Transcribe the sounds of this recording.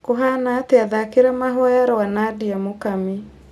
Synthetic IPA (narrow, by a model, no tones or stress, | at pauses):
koɦanaːteaðakeɾamaɦɔjaɾɔwanadiamokami